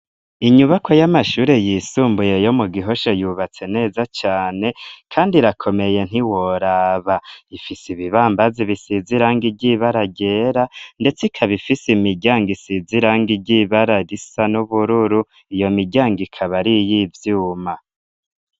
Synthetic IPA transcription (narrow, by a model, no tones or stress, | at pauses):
iɲuβakʰo̞jamaʃuːɾe̞jiːsuːmbuje̞jo̞muɡiɦo̞ʃejuβat͡se̞ne̞ːzat͡ʃaːne̞kʰaːndiɾakʰo̞me̞je̞n̥iwoɾaβaifisiβiβaːmbaziβisiziɾaːŋɡiɟiβaɾaɟe̞ːɾande̞t͡sikʰaβifisimiɟaːŋɡisiziɾaŋɡiɟiβaɾaɾisanuβuɾuɾu | ijo̞miɟaːŋɡikʰaβaɾijivjuːma